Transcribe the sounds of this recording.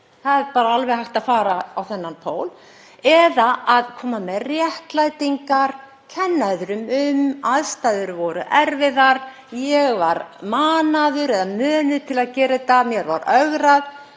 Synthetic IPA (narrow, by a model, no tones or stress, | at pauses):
θaðɛɾpaːɾaalvɛɣhajht̪aðfaːɾaawθɛnːanpʰoːwl | ɛðaʔaðkʰɔːmamɛðrjɛhk̪lajt̪iŋkaɾ̥ | cʰɛnːaðʏɾʏmʏmaðst̪ajðʏɾvɔɾʏʔɛɾvɪðaɾ | jɛɣvaɾmaːnaðʏɾɛðamœːnʏ̥t̪ʰɪlaðcɛːɾɪt̪amjɛɾva̰ɾœɣɾað